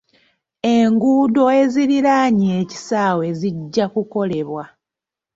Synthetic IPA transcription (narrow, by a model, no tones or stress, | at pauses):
e̞ŋɡuːdo̞e̞ziɾiɾaɲeːci̥saːwe̞ziɟːakuko̞le̞βwa